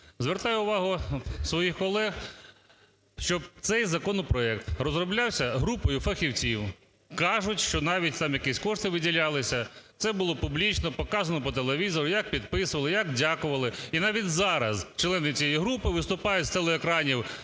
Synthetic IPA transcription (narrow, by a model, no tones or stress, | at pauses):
zʋeɾt̪ɑjʊʊʋɑɦʊsʋɔjixkɔlˠɛɣ | ʃt͡ʃɔb̚t̪sɛjzɐkɔnɔpɾɔɛk̚t̪rɔzrɔblʲɑwsʲɐɦɾupɔjʊfɐxʲiwt͡sʲiw | kɑʒʊtʲʃt͡ʃɔnɑʋʲitʲt̪ɑmjɐkisʲkɔʂt̪ɪʋɪdʲilʲɑlˠɪsʲɐt̪sɛbʊlˠɔpʊblʲit͡ʃnɔpɔkɑzɐnɔpɔt̪̬elˠeʋʲizɔɾʊjak̚pʲid̪̚pɪsʊʋɐlɪjakdʲakʊʋɐlˠɪinɑʋʲitʲzɑɾɐst͡ʃlˠɛnɪt͡sʲijɛjiɦɾupɪʋɪst̪ʊpɑjʊtʲst̪elˠeːkɾɑnʲiw